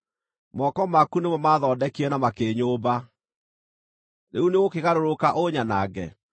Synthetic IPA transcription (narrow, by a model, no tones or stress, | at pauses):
mɔkɔmakunemɔmaðɔːdɛkiɛnamakeːɲoːba | neuneɣokeɣaɾoɾokaʔoɲanaːɡɛ̰